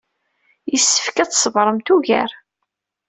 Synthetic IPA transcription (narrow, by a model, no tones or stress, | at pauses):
jəsːə̥fkæt͡ssəvɾˤəmt̪uʝæ̰ɾ